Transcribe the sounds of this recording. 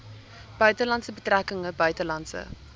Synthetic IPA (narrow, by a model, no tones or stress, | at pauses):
b̥œɥtəlɐntsəbətrækəŋəbœɥtəlɐntsə̰